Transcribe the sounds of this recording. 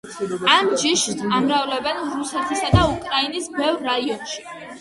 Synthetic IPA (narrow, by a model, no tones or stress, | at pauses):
amd͡ʒiʃamɾavlɛbɛnɾusɛt̪ʰisad̪aukʼɾainisbɛvɾːaiɔnʃi̥